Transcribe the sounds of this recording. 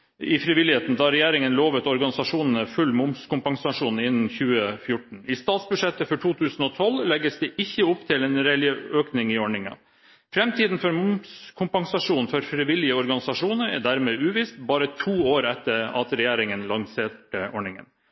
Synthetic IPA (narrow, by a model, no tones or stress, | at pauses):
ɪfɾɪʋɪlɪheːt̪nd̪ɑːɾɛjæːɾɪŋənloːʋət̪ɔɾɡɑnɪsɑʂuːnənəfʉlːmʊmskʊmpɑŋsɑʂuːn̩ɪnːn̩çʉːəfjʊʈɳ̩ɪst̪ɑːt̪sbʉʂɛt̪ːəfɔʈʰuːt̪ʰʉːsn̩ɔːt̪ʰɔlːlɛɡəsd̪ɛʔɪçːəʊpːt̪ʰɪleːnɾɛlɪəøːknɪŋɪɔɳɪŋɑ̰ | fɾɛmt̪ʰiːd̪n̩fɔɾmʊmskʰʊmpɑŋsɑʂuːnfɔɾfɾɪʋɪlɪəɔɾɡɑnɪsɑʂuːnəɾɛ̰d̪æɾmeːʉːʋiːst̪bɑːɾət̪ʰuːoːɾɛt̪ːəɾɑ̰t̪ɾɛjæːɾɪŋənlɑŋseːʈəʔɔɳɪŋə̰n